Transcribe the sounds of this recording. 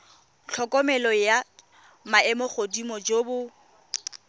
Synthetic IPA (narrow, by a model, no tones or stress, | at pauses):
t͡ɬʰɔkʼɔmɛlɔja | maɛmɔχodimɔd͡ʒobʊ